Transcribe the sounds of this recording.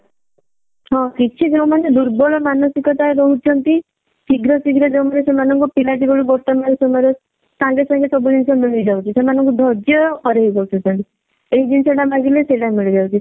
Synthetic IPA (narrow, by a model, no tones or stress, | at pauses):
ɦɔ̃kit͡ʃʰid͡ʒew̃maned̪uɾbɔɭɔmanɔsikɔt̪aebɔɦut͡ʃʰɔnt̪i | siɡɾɔsiɡɾɔd͡ʒewmanesemanɔŋkupilaʈiɡɔɽubɔʈ̪amaɾesemɔjɾe | sãŋɡesãŋɡesɔbud̪insɔmiɭid͡ʒawt͡ʃʰisemanɔŋkud̪ʱɔd͡ʒjɔkɔɾeɦibɔɾt͡ʃʰɔt͡ʃʰɔnt̪i | eɦid̪inseʈamaɡileselamiɭid͡ʒawt͡ʃʰi